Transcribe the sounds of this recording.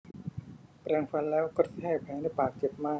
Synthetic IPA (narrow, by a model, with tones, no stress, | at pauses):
pɾɛː˧ŋfa˧˥nlɛː˦˥wkɔ˧˩t̪̚ʰɛː˥˩k̚pʰɛː˨˦na˧˥˩jpaː˨˩k̚t͡ɕe˨˩p̚maː˥˩